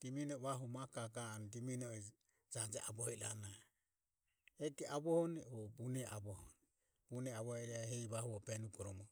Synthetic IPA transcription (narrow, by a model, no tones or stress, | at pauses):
d̥iminɔβaɦumakakaːndiminɔɛ | d͡ʒad͡ʒɛʔabɔhɛɾa̰na | ɛkɛʔaβɔhɔnɛɔbunɛʔabɔhɔnɛ | bunɛaβɔhɛɾɛahɛiβahuɔpɛnukɔɾɔmɔ